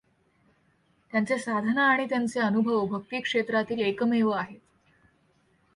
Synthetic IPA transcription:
t̪jant͡sesad̪ʱənaːɽ̃it̪jant͡seənubʱəʋəbʱək̚t̪iːkʂet̪ɾat̪iːlekəmeʋəaɦet̪

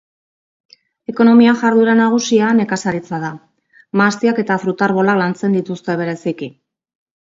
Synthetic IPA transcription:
e̞ko̞no̞miaʝaɾðuɾanaɣ̞usiane̞kasaɾit͡sað̞a | mast̪iake̞t̪afɾut̪aɾβo̞laklant͡se̞nd̪it̪ust̪e̞β̞e̞ɾe̞siki

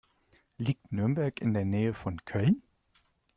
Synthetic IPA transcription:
lɪɡ̥̚t̪nøɐmbæɐɡ̥ɪnd̪ɛnneːəfɔnkʰœl

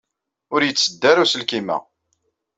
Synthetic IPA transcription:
ʊɾjət͡sːəd̪ːæɾusəlkimæ̰

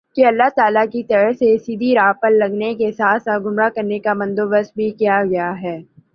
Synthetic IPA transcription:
kiɐlːaɦt̪aːlakit̪ɐɾəɦsesiːd̪ʱiɾaːpəlːɐɡnekesaːt̪ʰsaɡʱʊmɾakɐɾnekamɐ̃nd̪oːbəst̪̚bʱikijaɡɐjaɦɛː

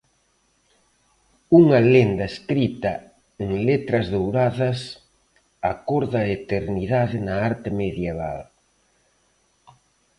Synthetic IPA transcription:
uŋɐlend̪ɐeskɾit̪ɐ | eŋlet̪ɾɐzðowɾaðɐs | akoɾðaet̪eɾniðaðɪnɐaɾt̪ɪmeðjeβ̞a̰l

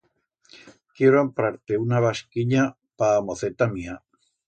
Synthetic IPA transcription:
kjeɾoampɾaɾt̪e̞unaβaskiɲa | paːmoθe̞t̪amia

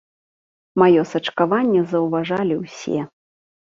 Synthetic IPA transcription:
majɔsɐt͡ʂkavanʲːɛzɐwvaʐalʲiwsʲɛ̰

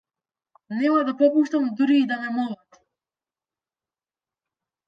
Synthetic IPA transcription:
nɛmad̪apɔpuʃt̪amud̪uɾiːd̪anɛmɔlˠat̪

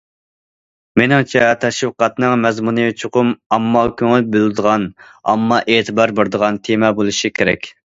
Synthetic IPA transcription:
menɪŋt͡ʃʰɛt̪ʰɛʃwɨqɑt̪nɨŋmɛzmunɨjt͡ʃʰoqʰʊmɑmːɑkʲʰøŋylbyld̪əʁɑnɑ̰mːɑʔeːt̪ʰɨbɑɾbeɾd̪əʁɑnt̪ʰemɛbolˠɨʃikʲʰeɾɛ̰kʲ

